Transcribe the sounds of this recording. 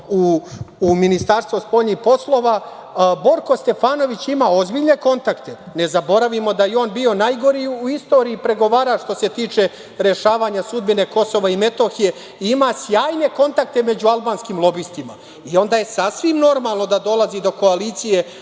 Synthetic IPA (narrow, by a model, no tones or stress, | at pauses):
uː | minist̪aɾst̪ʋospo̞ʎnixpo̞slˠo̞ʋa | bo̞ɾko̞st̪e̞faːno̞ʋit͡ɕimao̞zbiʎne̞ko̞nt̪akt̪e̞ | ne̞zabo̞ɾaʋimo̞d̪ajeo̞ːnbio̞najɡo̞ɾiuist̪o̞ːɾiipɾe̞ɡo̞ʋaːɾaʃt̪o̞se̞t̪iːt͡ʃe̞ | ɾe̞ʃaːʋaːɲasud̪̚bine̞ko̞so̞ʋaime̞t̪o̞xije̞ | iimasjaːjne̞ko̞nt̪ak̚t̪e̞me̞d͡ʑualˠbaːnskimlˠo̞bist̪ima̰ | io̞nd̪aːjesasʋimno̞ɾmaːlˠno̞d̪ad̪o̞lˠazid̪o̞ko̞aliːt̪sije̞